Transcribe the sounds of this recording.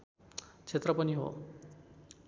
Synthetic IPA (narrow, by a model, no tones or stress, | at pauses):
t͡sʰet̪rʌpʌniɦo̰